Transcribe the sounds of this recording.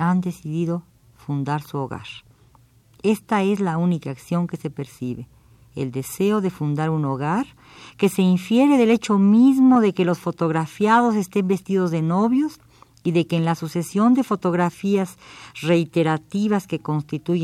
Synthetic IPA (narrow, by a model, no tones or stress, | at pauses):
and̪e̞siðiðo̞ | fund̪aɾsuoɣa̰ɾ | e̞st̪ae̞zlaunikaːksjo̞ŋke̞se̞pe̞ɾsiβe | ḛld̪e̞se̞oðe̞fund̪aɾuno̞ɣaɾ | ke̞se̞iɱfje̞ɾeðe̞le̞t͡ʃo̞mizmo̞ðe̞ke̞lo̞sfo̞t̪o̞ɣɾafjað̞o̞s̬est̪e̞mbe̞st̪iðo̞zðe̞no̞βjo̞s | iðe̞keːnlasuse̞sjo̞nd̪e̞fo̞t̪o̞ɣɾafiazre̞it̪e̞ɾat̪iβaske̞ko̞nst̪it̪uʝ